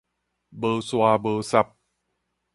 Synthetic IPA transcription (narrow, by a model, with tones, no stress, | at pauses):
bɤː˧swaː˧bɤː˧sa˧p̚